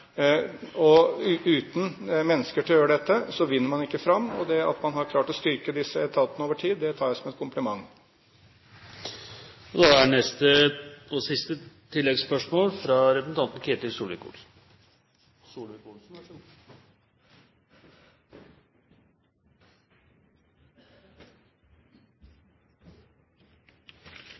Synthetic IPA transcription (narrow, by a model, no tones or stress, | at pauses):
ɔʉːt̪n̩mɛnːəskəʈʰɪljøːɾəɖɛt̪ːəsɔʋɪnːəɾmɑnɪkːəfɾɑmːɔ̰d̪ɛɑ̰t̪mɑnɦɑɾkʰlɑːʈɔst̪ʏɾkəd̪ɪsəɛt̪ʰɑt̪ənəoːʋəʈʰiːd̪ːɛt̪ʰɑːɾjæsɔmɛt̪̚kʰʊmplɪmɑŋː | ɔd̪ɑænɛst̪əɔsɪst̪ət̪ʰɪlːɛɡspœʂmoːlfɾɑɾɛpɾəsn̩ʰɑnt̪n̩kʰeːt̪ɪsuːlɪkṵ | suːlku